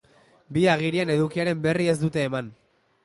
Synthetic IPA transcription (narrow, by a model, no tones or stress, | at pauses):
biaɣ̞iɾiene̞ðukiaɾe̞mbe̞rie̞zd̪ut̪e̞ːman